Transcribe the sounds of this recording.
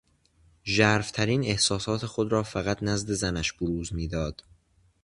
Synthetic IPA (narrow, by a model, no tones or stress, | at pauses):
ʒæːɾft̪ʰæɾiːne̞hsɒːsɒːt̪ʰe̞xo̞d̪ɾɒːfæɣæt̪ʰnæzd̪e̞zænæʃboɾuːzmiːd̪ɒːd̪̥